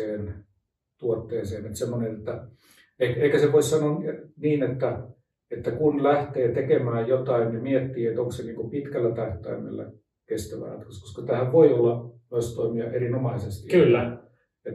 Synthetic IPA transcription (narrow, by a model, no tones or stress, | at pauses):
eːn | t̪uot̪ːeːseːnet̪semːonenet̪ːæ | eieikæseʋoissɑnonniːnet̪ːæ | et̪ːækunlæht̪eːt̪ekemæːjjot̪ɑinnimiet̪ːiːet̪oŋkseniːŋkupit̪kælːæt̪æht̪æ̰imḛlːæ̰ | kest̪æʋæ̰ːt̪kosko̥skɑt̪æhæʋʋoiolːɑnoist̪oimiɑʔerinomɑisest̪ikylːæ | et̪